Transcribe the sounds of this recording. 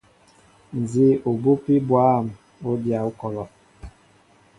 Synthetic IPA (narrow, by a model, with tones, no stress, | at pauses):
n̩˨zi˦o˨bu˦pi˦bwa˦˨m | o˦dja˨u˦kɔ˨lɔ˨